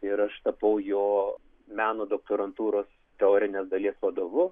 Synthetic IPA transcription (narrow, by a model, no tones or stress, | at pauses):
ɪɾɐʃt̪ɐpɐʊjoː | mʲæːnoːd̪oːk̚t̪oːɾɐnt̪uːɾoːs | t̪ʲɛoːɾʲɪnʲeːsd̪ɐlʲiɛsʋɐd̪oːʋʊ